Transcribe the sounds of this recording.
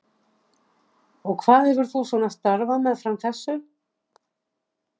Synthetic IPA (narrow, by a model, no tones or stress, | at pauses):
ɔɣkʰvaːðhɛvʏɾ̥θusɔnafst̪aɾvamɛðfɾamθɛsːʏ